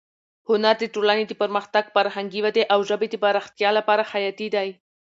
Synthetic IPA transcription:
hʊnaɾd̪əʈolaned̪əpəɾməxt̪aɡfaɾhaŋɡiwad̪eʔawʒəbed̪əbaɾaxt̪jɑlapɑɾahajɑt̪id̪aj

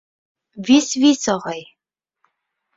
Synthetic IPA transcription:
visvisɔʁɑj

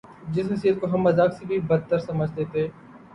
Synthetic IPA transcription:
d͡ʒɪsnɪsiːət̪̚koɦɐmːɐzaːksebʱibɐd̪̚t̪ːəɾsɐməd͡ʒʱt̪et̪eː

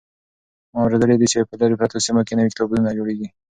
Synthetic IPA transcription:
mɑawɾed̪əled̪it͡ʃepəlaɾepɾat̪osimokenəwikt̪oblunad͡ʒoɽeɡi

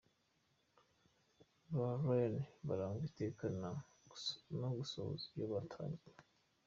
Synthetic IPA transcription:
βaɾweneβaɾaːŋɡitekana | noɡuso̰zijaβatʰa̰ɲi

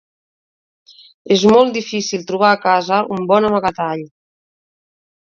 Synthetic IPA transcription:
ezmɔlˠt̪d̪ifisilˠt̪ɾuβ̞aːkazəʔumbɔnəmaɣat̪aʎ

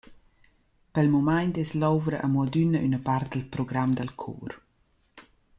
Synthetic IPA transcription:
pɛlmumajntɛslɔwvɾəʔəmwəd̪ynəʔynəpart̪̚d̪əlpɾɔɡɾamd̪əlkʰṵːr

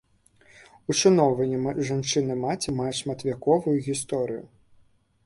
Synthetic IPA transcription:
uʂɨnɔwvɐnʲɛmʐant͡ʂɨnɨmat͡sʲimajɛʂmɐt̪vʲakɔvujuɣʲist̪ɔɾɨjʊ̰

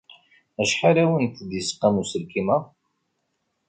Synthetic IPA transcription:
æʃħaɾæwənt̪d̪isqːæmusəlkimə

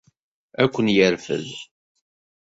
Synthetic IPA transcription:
ækʷːənjəɾfə̰z

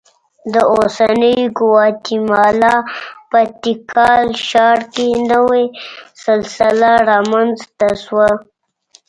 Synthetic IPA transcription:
d̪əosanəjɡʊwɑt̪imɑlɑpət̪ikʰɑlʃɑɾkenəwesɪlsɪlaɾɑmanzt̪aʃwa

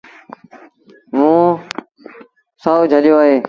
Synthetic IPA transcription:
mũː | saːud͡ʒʱəɗjoːaːɦeː

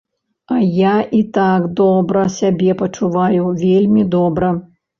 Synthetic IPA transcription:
ɐjaʔit̪aɡd̪ɔbɾɐsʲabʲɛpɐt͡ʂuvajuvʲelʲmʲid̪ɔbɾɐ

